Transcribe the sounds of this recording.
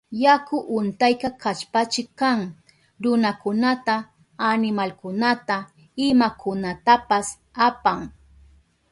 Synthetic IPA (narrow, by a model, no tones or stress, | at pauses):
jakʊʔʊnt̪ajkakat͡ʃpat͡ʃɪkaŋ | ɾʊnakʊnat̪a | anɪmalkʊnat̪a | ɪmakʊnat̪apas | apaŋ